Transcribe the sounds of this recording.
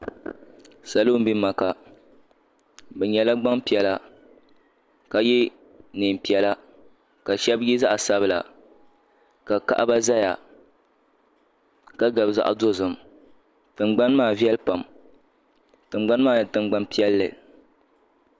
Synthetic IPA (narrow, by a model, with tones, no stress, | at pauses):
sa˨lo˦m̩˦bi˦ma˨ka˨ | bɛ˨ɲɛ˨la˦ɡ͡ba˦ŋpi˨ɛ˦la˦ | ka˨jɛ˦ | nɨ˨m˨pi˨˦ɛ˦la˦ | ka˨ʃɛ˦bjɛ˦za˦ʔa˨sa˦bɨ˦la̰˨ | ka˨ka̰˦ʔa˦ba˦za˦ja̰˨ | ka˦ɡa˨bza̰˨ʔa̰˨do˦zɨ˨m | tɨ˨ŋ͡mɡ͡ba˦nmaː˦˨vi˦ɛ˦lpa˨m | tɨ˨ŋ͡mɡ͡ba˦n˦maː˦˨tɨ˨ŋ͡mɡ͡ba˦npi˦ɛ˦lːɨ̰˨